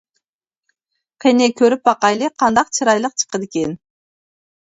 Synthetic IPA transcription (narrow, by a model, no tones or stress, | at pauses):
qʰenekʲʰøɾyp̚bɑqɑjlˠiqʰɑnd̪ɑq̚t͡ʃʰɯɾɑjlˠəq̚t͡ʃʰɨ̥qəd̪ekʲen